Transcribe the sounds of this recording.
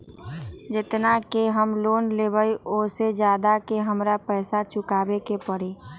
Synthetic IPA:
d͡ʒɪt̪nakeɦəmloːnleːbəioːsed͡ʒjaːd̪akeɦəmɾapɛːsat͡ʃʰʊkaːbekepəɽeː

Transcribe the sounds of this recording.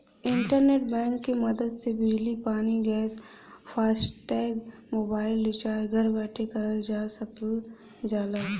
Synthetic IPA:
ɪ̃ɳʈəɾneːʈbɛ̃ːŋkːimɐd̪əd̪sebɪd͡ʒlipaːniɡɛːs | fʰaːsʈɛːɡmoːbaːɪlːɪt͡ʃaːɾɡʱɐɾbɛːʈʰekɐɾəld͡ʒaːsɐtː | d͡ʒaːlaː

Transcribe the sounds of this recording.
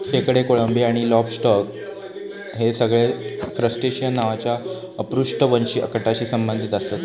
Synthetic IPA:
sekɽekoɭəmbiaɽ̃ilɔbsʈɔk | ɦesəɡɭekɾəsʈeɕijənːaʋat͡ɕja | əpɾuʂʈəʋənɕiːə̰kəʈat͡ɕiːsəmbənd̪ʱit̪əst̪ət̪

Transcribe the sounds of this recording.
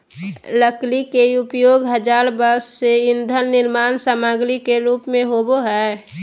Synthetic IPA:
ləklikeʊpjoːɡɦəd͡ʒaːɾbəsːeɪnd̪ʱənːɪlmaːnsaːmaːɡlikeɾuːpmẽɦoboɦɛː

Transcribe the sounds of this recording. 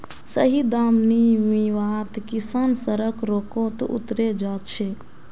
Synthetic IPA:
səɦid̪amnimiʋat̪kisansəɾəkɾokot̪ṵt̪ɾed͡ʒaːt̪t͡ʃʰɛ

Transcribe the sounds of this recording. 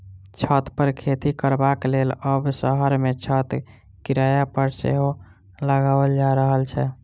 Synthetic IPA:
t͡ʃʰət̪pəɾkʰet̪ikəɾbakleləbsəɦəɾmet͡ʃʰət̪ | kiɾajapəɾsḛɦo | ləɡabəld͡ʒaɾəɦəlt͡ʃʰɛ

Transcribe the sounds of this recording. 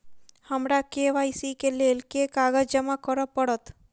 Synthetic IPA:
həmɾakeʋajsikelelkekaɡəd͡ʒd͡ʒəmakɔɾpɔɽɔt̪

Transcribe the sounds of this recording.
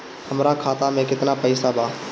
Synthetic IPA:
hɐmɾakʰaːt̪amẽkɪt̪napɐɪsabaː

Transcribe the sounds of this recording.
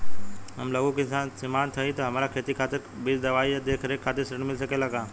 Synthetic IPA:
ɦɐmlɐɡõkisãsɪmaːnt̪ʰɐĩt̪ɐɦɐmaːɾakʰeːt̪ikʰaːt̪ɪɾbɪɾd̪ɐʋaːiad̪eːkʰɐɾekʰːaːt̪ɪɾsɐɾɽ̃mɪlsɐkelakãː

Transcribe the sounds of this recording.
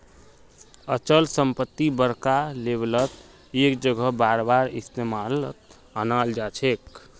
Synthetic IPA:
ət͡ʃəlsəmpət̪ːibəɾkaleblət̪ | ekd͡ʒəɡʱəbaɾbaɾist̪emalt̪ | ənald͡ʒat͡ʃʰek

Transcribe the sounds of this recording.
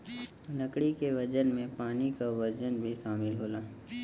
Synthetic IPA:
ləkɽikeʋɐd͡ʒənmẽpaːnikaʋɐd͡ʒənbʱiʃaːmɪlɦoːlaː

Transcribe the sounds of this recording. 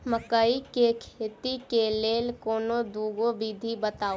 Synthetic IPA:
məkəikekʰeːt̪ikeleːlkoːnod̪uːɡobiːd̪ʱibət̪aːo

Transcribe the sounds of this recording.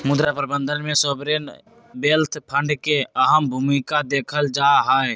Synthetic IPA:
mʊd̪ɾapɾbə̃nd̪ʱənmẽsobɾen | beːlt̪ʰpʰə̃ɳɖkeəɦəmbʱumikad̪eːkʰəld͡ʒaɦae

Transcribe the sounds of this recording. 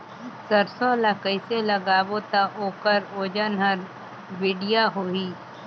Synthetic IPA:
səɾsõlakəɪseləɡaːbot̪aʔoːkəɾoːd͡ʒənɦəɾ | ʋɪːɖijaɦoːɦiː

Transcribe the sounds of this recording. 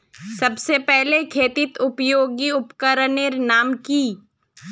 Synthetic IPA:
sɐbsepɛɦlekʰeːt̪ɪt̪ʊpjoːɡiʊpkəɾəneɾnaːmkiː

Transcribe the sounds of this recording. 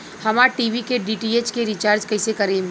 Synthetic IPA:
hɐmaʈiːʋikeɖiːʈieːt͡ʃkeɾit͡ʃaːɾd͡ʒkɐɪsekɐɾẽm

